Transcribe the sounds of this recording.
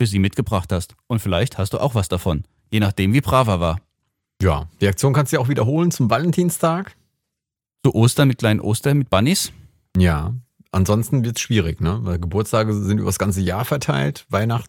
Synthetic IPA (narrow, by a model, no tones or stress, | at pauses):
fyːɐziːmɪtɡ̥əbʁaχthastʔʊntfɪlaɪçthastd̥uːʔa̰ʊxv̥asd̥afɔn | jeːnaχd̥eːmviːbʁ̥aːvɐvaːɐ | ja̰ːʁ̥iak̚t͡sjoːnkʰanstujaʊxviːdɐɦoːlənt͡sʊmvalɛntʰiːnstʰaːk | t͡suʔoːstɐnmɪtkl̥aɪnənʔo̰ːstɐmɪt̚b̥anis | jaː | ʔanzɔnstn̩vɪɐtʃv̥iːʁ̞ɪçnəvaɪlɡəbʊɐt͡stʰaːɡəzɪntyːbɐsɡ̥ant͡səjaːɐfɛɐtʰaɪltvaɪnaχt̩